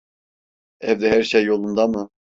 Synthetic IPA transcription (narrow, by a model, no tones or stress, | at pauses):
ɛvd̪ɛɦæɾʃejːo̞lˠund̪ɑmɯ